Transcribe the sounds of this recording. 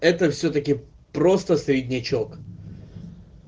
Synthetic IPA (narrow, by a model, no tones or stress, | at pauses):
ɛt̪əfsʲɵt̪əkʲɪ | pɾo̞st̪əsɾʲɪdʲnʲɪt͡ɕok